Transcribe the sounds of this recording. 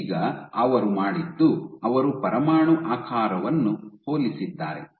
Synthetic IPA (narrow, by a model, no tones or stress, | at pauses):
ɡɐɐʋɐɾumaːɽid̪ːuɐʋɐɾupɐɾɐmaːɳuʔaːkʰaːɾɐʋɐnːuho̞ːlisid̪ːaːɾḛ